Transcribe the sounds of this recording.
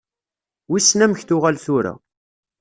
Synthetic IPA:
wisnæməçθʊʁalθʊɾæ̰

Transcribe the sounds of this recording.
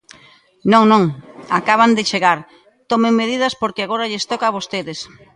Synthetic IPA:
nõŋnõŋakaβ̞and̪ɪt͡ʃeɣaɾ | t̪omeŋmeðiðɐspoɾkeaɣoɾaʎest̪okaβost̪eðɪs

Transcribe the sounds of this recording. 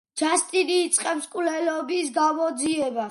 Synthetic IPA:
d͡ʒast̪ʼiɾiːt̪sʼqʼɛpskʼwlɛlɔbisɡamɔd̪ziɛba

